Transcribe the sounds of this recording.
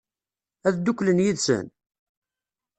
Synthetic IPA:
æðd̪ukːlənjiðsə̰n

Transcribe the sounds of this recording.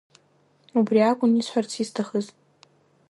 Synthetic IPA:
ubriakʷʼʊnisħʷart͡sʰistʰaχəz

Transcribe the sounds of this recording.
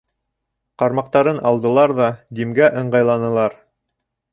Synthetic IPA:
qɑɾmɑq̚t̪ɑɾɤnɑlˠd̪ɤ̆lˠɑɾðɑd̪imɡæʔɤ̆ɴɢɑjlˠɑnɤ̆lˠɑɾ

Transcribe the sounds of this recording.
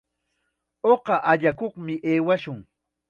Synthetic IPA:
oqɑʔaʎakoχmɪʔeːwaʃʊŋ

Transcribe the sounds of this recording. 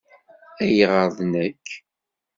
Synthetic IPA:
æjʁəɾðˤnækː

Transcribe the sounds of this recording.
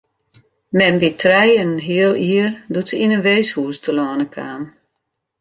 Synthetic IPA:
mɛmʋitʰrɛjənɦiəlˠiərdutsəinənʋeːshuːstəlɔːnəkʰaːm

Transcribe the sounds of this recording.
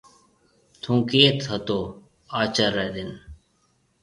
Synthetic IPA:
t̪ʰũːkeːt̪ʰət̪oː | aːt͡ʃəɾɛːd̪ɪn

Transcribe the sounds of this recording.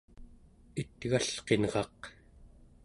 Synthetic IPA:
it̪ɣaɬqe̞nʁɑq

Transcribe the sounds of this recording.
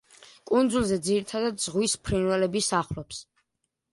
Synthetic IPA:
kʼund̪zulˠzɛd̪ziɾit̪ʰad̪ad̪zʁwispʰɾinwɛlɛbisaχlɔps

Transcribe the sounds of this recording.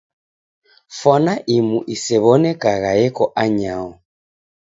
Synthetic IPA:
fɔnaʔimuʔisɛβɔnɛkaɣaɛkɔʔaɲaɔ

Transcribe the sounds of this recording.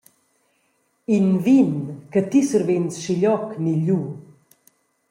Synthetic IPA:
invinkət̪isuɾvensʃiʎɔkniʎu

